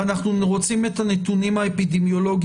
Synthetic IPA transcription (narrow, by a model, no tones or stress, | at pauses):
anaχnuʁot͡sime̞t̪anet̪unimaepid̪emjo̞lo̞ɡ